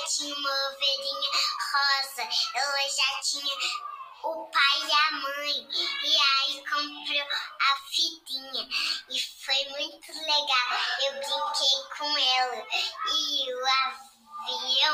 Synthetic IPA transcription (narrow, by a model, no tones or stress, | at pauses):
t͡ʃĩɲɐmoovenĩɲɐhɔzɐɛlɐʒatĩɲɐ | ʊpajamɐ̃j̃iaikʰõmpɾiafid̪ĩɲɐifojmũj̃t̪ʊleɡawewblikʰejkʰõɛlɐioa | vi